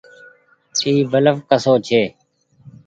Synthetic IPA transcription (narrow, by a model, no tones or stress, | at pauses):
iːbələfkəsoːt͡ʃʰeː